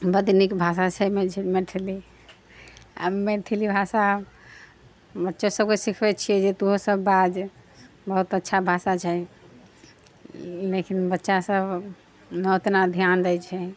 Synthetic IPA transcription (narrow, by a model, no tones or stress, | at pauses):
bəd̪nikbʱas̬at͡ʃʰɛmeimeʈʰili | a̰meʈ̪ʰilibʱasa | bətːʃosəbkesikʰbɛt̪t͡ʃʰijɛd͡ʒet̪uɦosəbːad͡ʒ | bəɦut̪ətːʃʰabʱasat͡ʃʰɛ | lekinbətːʃasəb | not̪nad̪ʱjand̪ɛjt͡ʃʰɛ